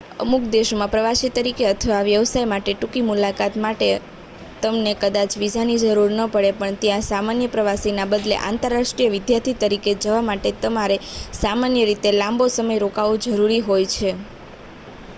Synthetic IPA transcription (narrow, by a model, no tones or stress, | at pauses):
ə̰mukd̪eʃmãpɾəʋasit̪əɾikeət̪ʰəʋaʋjəʋsajmaʈeʈukimulakat̪maʈe | t̪əmnekəd̪at͡ʃʋid͡ʒʱanid͡ʒəɾuɾnəpəɽepəɳt̪jãsamanjəpɾəʋasinabəd̪lḛʔã̰nt̪əɾːaʃʈɾijəʋɪd̪jaɾt̪ʰit̪əɾiked͡ʒəʋamaʈet̪əmaɾesamanjəɾit̪elãmbosəməjɾokaʋũd͡ʒəɾuɾiɦojt͡ʃʰe